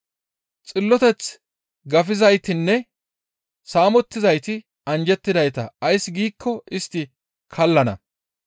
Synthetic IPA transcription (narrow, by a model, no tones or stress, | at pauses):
t͡sʼɪlːɔt̪ɛt͡s | ɡɐfɪzɐjt̪ɪnːɛ | saːmɔt̪ːɪzɐjt̪ɪ | ɐnd͡ʒɛt̪ːɪd̪ɐjt̪ɐːjsɡiːkʰːɔɪst̪ːɪ | kʰɐlːɐnɐ̰